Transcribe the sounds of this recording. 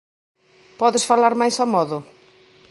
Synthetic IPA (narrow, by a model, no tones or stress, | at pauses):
pɔðɪsfalaɾmajsamɔðʊ